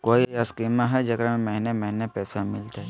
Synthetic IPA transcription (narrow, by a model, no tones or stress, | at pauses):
koːiaskiːmãɦɛd͡ʒɐkɾamɛɦnemɛɦnepɛːsamɪlt̪ɛ